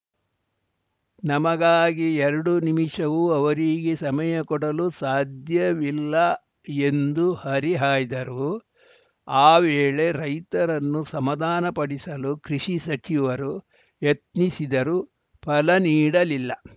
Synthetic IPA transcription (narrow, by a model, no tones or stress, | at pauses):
nɐmɐɡaːɡiɛɾɐɽunimiʂɐʋuɐʋɐɾiɡesɐmɐjɐkɔɽɐlusaːd̪ʱjɐʋilːɐ | e̞nd̪uhɐɾiɦaːjd̪ɐɾu | aːʋeːɭe̞ɾɐjt̪ɐɾɐnːusɐmɐd̪aːnɐpɐɽisɐlukɾiʂisɐt͡ʃiʋɐɾu | jet̪nisid̪ɐɾu | pʰɐlɐniːɽɐlilːɐ